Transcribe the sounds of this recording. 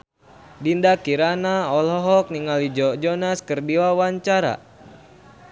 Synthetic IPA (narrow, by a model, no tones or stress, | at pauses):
dindakiɾanaɔlɔɦɔk̚niŋalid͡ʒɔd͡ʒɔnaskərdiwawaɲt͡ʃaɾa̰